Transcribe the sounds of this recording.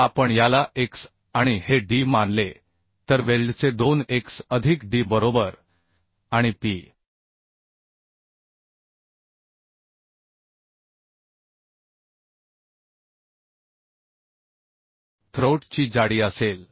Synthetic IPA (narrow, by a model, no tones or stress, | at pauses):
apəɳjalaʔeks | aɽ̃iheɖimanle | t̪əɾʋelɖt͡sed̪oneksəd̪ʱikɖibəɾobəɾ | aɽ̃ipi | t̪ʰɾoʈt͡ɕiːd͡zaɽiːəsel